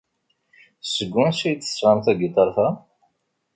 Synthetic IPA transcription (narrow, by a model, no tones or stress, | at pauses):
səɡːuæsæjt͡s̪ːə̥sʁɑmθæɡit̪ˤɑɾˤθa